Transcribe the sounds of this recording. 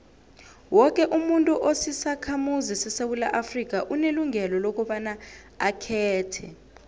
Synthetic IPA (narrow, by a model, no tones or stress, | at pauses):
wɔk̬ʼɛʔumuntʼuʔosisakʰamuzisɛsewulaʔafrik̬aʔuneluŋʱɛlɔlok̬ʼɔɓana | akʰɛːtʰɛ